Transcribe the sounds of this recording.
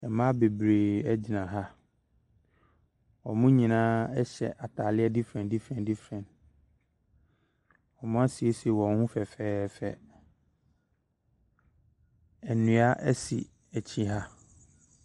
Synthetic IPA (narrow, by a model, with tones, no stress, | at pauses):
ɛ˨mã˦be˨bɾe˨ɛ˦d͡ʑi˨nã˨ɦa˦ | ɔ˨mʊ̃˦ɲĩ˨nãː˦ɛ˦ɕɛ̰˨ʔa˨tʰaː˨lɪ˦ɛ˦di˦fɾɛ̃˨ndi˦fɾɛ̃˨ndi˦fɾɛ̃˨n | ɔ˨mʊ̃˦a˦si˨e˦si˨wɔ̃˨˦hũ˦fɛ˨fɛː˦fɛ˨ | ɛ˨nũ˨a˦ʔɛ˦sḭ˨ | æ˨t͡ɕʰĩ˦ɦa˦